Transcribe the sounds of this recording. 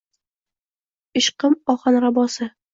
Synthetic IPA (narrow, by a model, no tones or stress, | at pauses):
ɪʃqɨmɒχɑnɾabɒsɪ